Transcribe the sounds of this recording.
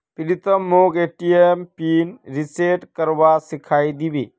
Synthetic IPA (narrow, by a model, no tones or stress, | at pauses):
pilit̪əmːokeʈiempinɾiseʈkəɾwasikʰajd̪ibḭ